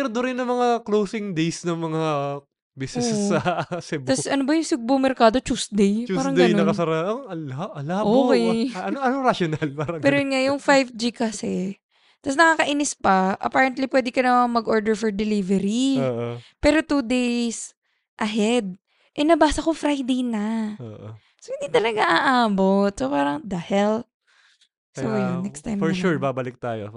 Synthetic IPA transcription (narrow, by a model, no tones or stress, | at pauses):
ɛɾd̪oɾɪnːɐmɐŋaklowsɪŋd̪ejsnɐŋmɐŋa | bisɛsːɐsɛbt̪ɐsʔɐnobɐjʊŋsʊɡ̚bomɛɾkaːd̪o̞t͡ʃusd̪ejpuaːɾɐŋɡd̪eɐjnɐnkɐsɐɾaɐɐlaɐlaʔoːkɛɐnoʔɐnoŋɾaʃonɐlpaːɾɐŋpɛːɾojʊnŋajʊŋfajvd͡ʒikɐsɛ | t̪ɐsnɐkaːkɐʔinɪspɐʔɐ̰paːɹɛnt̪lipwɛːd̪ɪkɐnɐmɐŋmɐɡʔoɹd̪ɛɹfɔɹd̪ɛlivɛɾioːʔpɛːɾo̞t̪uːd̪ejs | ʔɐɦɛd̪̚ | ʔɛnɐbaːsɐkofɾajd̪ejnɐoʔo | sohɪnd̪it̪ɐlɐɡaŋaʔaːbot̪̚sopaːɾɐŋd̪ahɛlp̚ | sojnːɛkst̪ajmfɔɹʃuɹbaːbɐlɪk̚t̪aːjo̰